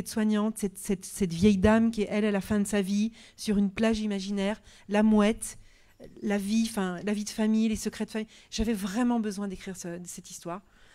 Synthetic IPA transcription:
ɛt̪swaɲɑ̃t̪sɛt̪sɛt̪sɛt̪vjɛjd̪amk̬ʲiɛʔɛlalafɛ̃d̪əsavisyʁynplaʒimaʒinɛʁ | lamwɛt̪ | laviɑ̃fɛ̃lavid̪əfamijlesəkχɛd̪əfamiʒ̥avɛvʁɛmɑ̃bəzwɛ̃d̪ekχiʁsəsɛt̪ist̪waːʁ

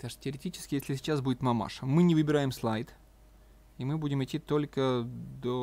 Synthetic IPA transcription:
t̪aʂtʲɪəɾʲɪtʲit͡ɕɪ̥skʲɪjesʲlʲɪsʲɪt͡ɕasbudʲɪt̪mɐma̰ʂəmɨnʲɪvɨbʲɪɾajɪmslˠajt̪ | imɨbudʲɪmɨtʲːit̪o̞lʲkəd̪o

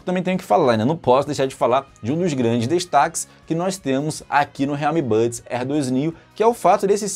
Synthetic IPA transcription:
t̪ɐmẽt̪ẽjʊkɪ̥falaɾnɛ̃nɐ̃w̃pɔsʊd̪ejʃaɾd͡ʒɪfalaɾd͡ʒɪũd̪ʊzɡɾɐ̃d͡ʒɪzd̪eʃt̪akɪ̥s | kɪnɔst̪ẽmʊza̰kinʊɦeawmibɐd͡ʒsɛhd̪ojzniʊkɪɛʊfat̪ʊd̪esɪs

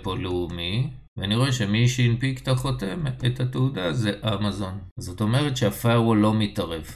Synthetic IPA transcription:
po̞leumi | veaniʁo̞eʃemiʃeinpikt̪aχo̞te̞methateudazeʔamazo̞nzo̞t̪o̞me̞ʁ̞etʃeafajʁwolːo̞mitaʁef

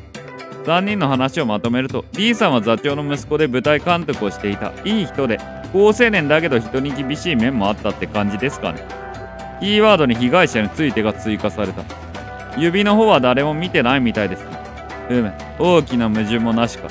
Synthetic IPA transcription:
z̥ãɲ̟ːĩnːo̞ɦanaɕio̞mat̪o̞me̞ɾɯ̟t̪o̞d̪ʲiːsãɰ̃βazat͡ɕo̞ːno̞mɯ̟sɨ̥ko̞d̪e̞bɯ̟t̪aikãnt̪o̞kɯ̟o̞ɕi̥t̪e̞it̪a̰iːçi̥t̪o̞d̪e̞ | ko̞ːse̞ːnẽ̞nd̪ake̞d̪o̞çi̥t̪o̞ɲ̟ik̬ʲibʲiɕiːmẽ̞mːo̞at̪ːat̪ːe̞kãɲ̟d͡ʑid̪e̞sɨ̥ka̰ne̞̰ | kʲiːβaːd̪o̞ɲ̟içiɡaiɕaɲ̟it͡sɨit̪e̞ɡat͡sɨikasaɾe̞t̪a̰ | jɯ̟bʲino̞ɦo̞ːβad̪aɾe̞mo̞mʲit̪e̞naimʲit̪aid̪e̞sɨe | ɯ̟me | o̞ːkʲinamɯ̟ʑɨmo̞naɕi̥ka̰

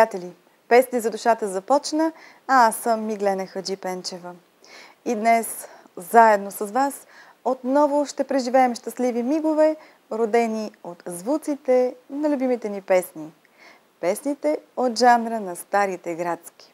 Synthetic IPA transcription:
at̪ɛlʲi | pɛsnizɐd̪uʃat̪əzɐpɔt͡ʃnə | aasəmːiɡlɛnəxəd͡ʒipɛnt͡ʃɛvə | id̪nɛs | zaɛd̪nosɐzvas | ot̪nɔvoʃt̪ɛpɾɛʒivɛːmʃt̪ɐslivimiɡovɛ | ɾod̪ɛniot̪zvut̪sit̪ɛnɐlʲubimit̪ɛnipɛsni | pɛsnit̪ɛot̪ʒanɾənɐst̪aɾit̪ɛɡɾat̪skʲi̥

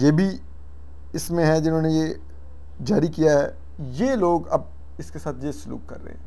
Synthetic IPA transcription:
jeːbʱi | ɪsmẽɦɛd͡ʒɪnɦõːneje | d͡ʒaːɾikijaɦɛ̰ː | jeloːɡɐ̰b̚ | ɪskesaːt̪ʰjesʊlṵːkːɐ̰ɾːḛɦɛ̃ː

